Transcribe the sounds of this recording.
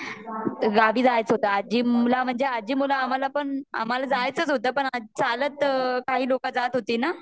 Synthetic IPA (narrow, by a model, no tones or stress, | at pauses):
ɡaʋiːd͡zajt͡sɦot̪aːd͡ʑiːulam̤əɳd͡zead͡ʑiːmulaːm̤alapəɳa̰m̤alad͡zajt͡sət͡sɦot̪əːpəɳat͡salət̪kaɦiːlokad͡zat̪ɦot̪iːna